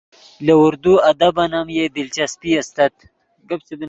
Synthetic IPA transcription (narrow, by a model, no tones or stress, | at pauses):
lɐuɾd̪uɐd̪ɐbɐnamjed̪ilt͡ʃɐspiɐst̪ɐt̪ | ɡɐbsib